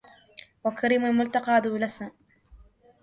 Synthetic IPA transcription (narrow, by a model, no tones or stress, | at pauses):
wɐkʰɐɾiːmʊlmʊlt̪ɐqɑːd̪ulɐs